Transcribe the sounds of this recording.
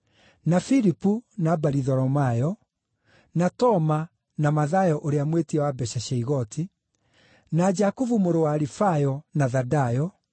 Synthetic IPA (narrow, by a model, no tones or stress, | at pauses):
nafiɾipunabaɾiðɔɾɔmajɔ | natɔma | namaðajɔʔoɾeamwetiɛwabɛɕaɕɛiɣɔtʰi | nad͡ʒakuvumoɾowaːɾifajɔnaðadajɔ